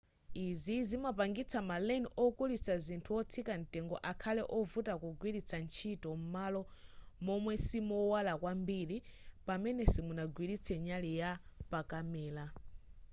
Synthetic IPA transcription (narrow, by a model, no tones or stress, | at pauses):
izizimapaŋɡit͡sʰamalɛnɔkulit͡sʰazintʰuɔt͡sʰikan̩tʼɛŋɡɔ̰ʔakʰalɛʔɔvutakuɡwiɾit͡sʰant͡ʃʰitɔm̩malɔmɔmwɛsimɔwalakwambiɾipamɛnɛsimunaɡwiɾit͡sʰɛɲalijapakamɛːla